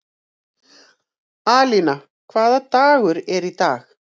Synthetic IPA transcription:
aːlina | kʰvaːðat̪aːɣʏɾɛɾit̪aːx

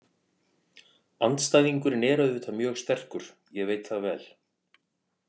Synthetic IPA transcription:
ant̪st̪aːjðiŋkʏɾnɛːɾœɥðʏt̪ʰamjœːɣst̪ɛr̥kʏɾ̥ | jɛɣveːjt̪θaðvɛ̰ːl

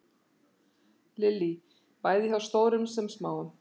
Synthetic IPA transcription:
lɪlːi | paːjðɪθawst̪oːwɾʏmsɛmsmaːwʏm

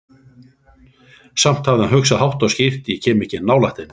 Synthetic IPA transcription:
sam̥t̪havðɪnɦœkxsaðhawht̪ɔwscir̥t̪jɛcʰɛːmɛhcːɪnaːwlaht̪ɪn

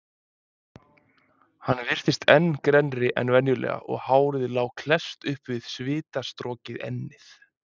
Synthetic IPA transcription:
hanːvɪr̥θɪst̪ʰɛnːkɾɛnɾɪʔɛ̰nvɛnjʏlɛ̰ːɣa̰ʔɔ̰ɣhaːwɾɪðɪlaːwkʰlɛst̪ʏhpvɪð̥svɪːt̪ast̪ɾɔːcɪðɛ̰nːɪθ

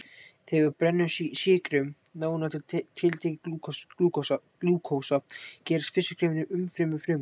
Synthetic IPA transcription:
θɛɣʏɾpɾɛnːʏsisɪːkɾʏm | naːwnat̪ʰɪt̪ʰɪlt̪ʰeːcɪkluːk | luːkʰoːwsacɛːɾɪ̥st̪fɪsːʏ̥kʰɾɪːmvɪnɪʔʏmfɾɪmʏfɾɪm

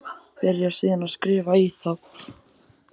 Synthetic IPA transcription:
pɛɾjḁsiːðanaðskɾɪːvaiθaw

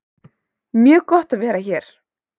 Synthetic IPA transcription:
mjœːɣkɔht̪aðvɛːɾaçɛɾ̥

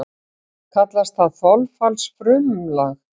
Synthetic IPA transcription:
kʰat̪last̪θaðθɔlfalsfɾʏmlax

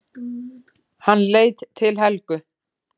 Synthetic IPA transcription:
hanːleːjt̪t̪ʰɪlɦɛlkʏ

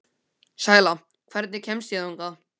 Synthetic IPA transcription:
saːjla | kʰvɛɾt̪nɪcʰɛmsjiðuŋka

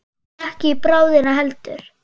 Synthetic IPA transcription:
ɛhcɪipɾaːwðɪnaɦɛlt̪ʏɾ̥

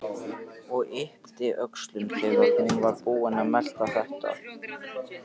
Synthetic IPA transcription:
ɔɣɪht̪ɪʔœkslʏmθɛːɣaɾhunvaɾpuːɪnamɛl̥t̪aθɛht̪a̰

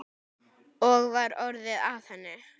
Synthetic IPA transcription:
ɔɣvaɾɔɾðɪðavθɛnːɪ

